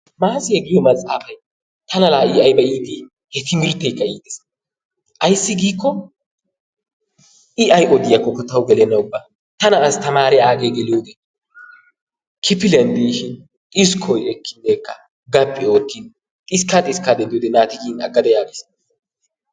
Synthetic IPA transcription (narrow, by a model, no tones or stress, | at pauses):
maːsɪhɛɡɪjɔmɐt͡sʼaːfɐj | t̪ɐnɐlaːʔiɐjbɐʔiːd̪i | hɛt̪ɪmɪɾt̪ːɛjkːɐiːd̪ɛs | ʔɐjsːɪɡiːkːɔ | ʔɪʔɐjʔʼɔd̪ɪjɐkːɔkːɔt̪ɐwɡɛlɛnːɐʊbːa | t̪ɐnɐːst̪ɐmaːɾɛaːɡeɡɛljoːd̪ɛ | kʰɪpɪlɛnd̪iʃɪnʼ | ɪskʰɔjɛkːɪnːɛjkːɐ | ɡɐpʼːɪo̞ːt̪ːɪn | tʼɪskːat̪ʼɪskːad̪ɛnd̪ɪjoːd̪ɛnaːt̪ɪɡiːnɐ̰ɡːɐd̪ɐjaːɡis